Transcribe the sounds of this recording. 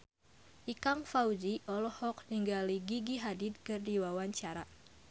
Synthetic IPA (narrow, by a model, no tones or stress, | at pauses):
ʔikaŋfaud͡ʒiʔɔlɔhɔk̚niŋɡaliɡiɡiɦadid̪̚kɨrdiwawaɲt͡ʃaɾa